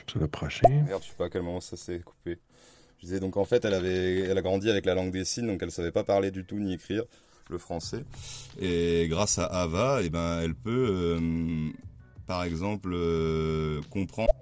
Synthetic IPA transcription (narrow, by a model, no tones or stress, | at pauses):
savapχaʃeɡaʁd̪ʃɛ̥paːkʲɛlmɔmɑ̃sasɛku̥pe | ʒəd̪izɛd̪ɔ̃kɑ̃fɛt̪ɛlavɛːlaɡʁɑ̃d̪iavɛklalɑ̃ɡd̪esind̪ɔ̃kɛlsavɛpapaʁled̪yt̪uniekχiʁ | ləfχɑ̃sɛeɡʁasaʔːvaebɛ̃ɛlpøø | paʁɛɡzɑ̃plø | kɔ̃pχɑ̃